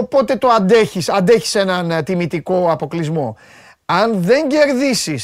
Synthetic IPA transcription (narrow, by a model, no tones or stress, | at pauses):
opo̞t̪e̞t̪o̞ɐnd̪e̞çisɐnd̪e̞çi̥se̞nɐnt̪imit̪iko̞ɐpo̞klizmo̞ | ɐnðe̞ɲɟe̞ɾðisis